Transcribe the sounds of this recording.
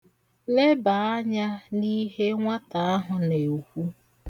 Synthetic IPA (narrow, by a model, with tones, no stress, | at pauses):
le˦ba˨a˦ɲa˦ni˦ɦe˦ŋʷa˦ta˨a˦ɦʊ˨ne˨hʷu˦